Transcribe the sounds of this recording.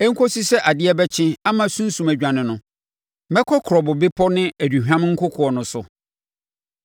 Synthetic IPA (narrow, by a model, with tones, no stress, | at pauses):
ɛ˦ŋ̩˦kʰɔ˦si˦sɛ˦ʔa˨dɪ˦ɛ˦bɛ˦t͡ɕʰɪ̃˦a˦mã˨sũ˦n̩˦sũ˨mæ˨d͡ʑᶣã˨nɪ̃˨nʊ̃˨ | mɛ̃˦kʰɔ˦kʰɾɔ˨bʊ˨bɪ˦pʰɔ˦nɪ̃˦æ˨du˨ɦᶣã˦m˦ŋ̩˦kʰʊ˦kʰʊ˨ɔ˨nʊ̃˨sʊ˨